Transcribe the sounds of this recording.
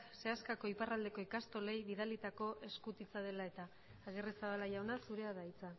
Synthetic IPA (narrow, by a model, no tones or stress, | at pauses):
se̞askako̞iparald̪e̞ko̞ikast̪o̞le̞jβiðalit̪ako̞ʔe̞skut̪it͡saðe̞lae̞t̪aː | ɣ̞eresaβalaʝawnasuɾe̞aðait͡sa